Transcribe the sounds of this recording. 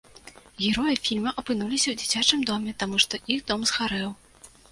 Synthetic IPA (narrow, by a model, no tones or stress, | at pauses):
ɣʲɛɾɔjɐfʲilʲmɐʔɐpɨnulʲisʲɐwd͡zʲit͡sʲat͡ʂɨmd̪ɔmʲɛt̪amuʂt̪ɔʔixd̪ɔmzxaɾɛw